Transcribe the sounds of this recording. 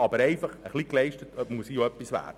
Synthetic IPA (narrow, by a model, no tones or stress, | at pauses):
ɑbəɾɛɪfɑχəχliklɛɪʃtətømuəsijoœpːisʋæ̰ːd̥ə